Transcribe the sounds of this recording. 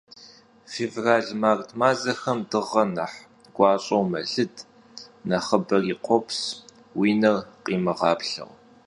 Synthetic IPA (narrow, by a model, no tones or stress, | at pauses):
fevraːɮmaːrtʰmaːzɐxɐmdɨʁɐnɐħ | ɡ̥ʷɑːɕʼɐwmɐɮɨd | nɐχɐbɐriːqʷʰɔpʰs | wiːnɐrqʼiːmɨʁɑːpɬɐ̰ʁ